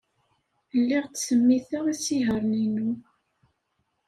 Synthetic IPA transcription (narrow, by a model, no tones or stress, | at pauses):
lːiʁt͡sːsəmːiθəʁisiɦəɾˤninu